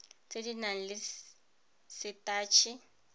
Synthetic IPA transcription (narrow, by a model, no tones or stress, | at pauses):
t͡sʼedinaŋ̩lɪ | sɪtʼaːt͡ʃʰi